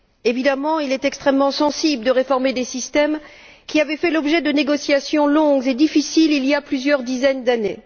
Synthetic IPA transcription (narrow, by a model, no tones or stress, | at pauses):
evid̪amɑ̃ilɛt̪ɛkst̪χɛmːɑ̃sɑ̃sibləd̪əʁefɔʁmed̪esist̪ɛm | kʲiavɛfɛlɔbʒɛd̪əneɡɔsjasjɔ̃lɔ̃ɡzed̪ifisililjaplyzjœʁd̪izɛnd̪ane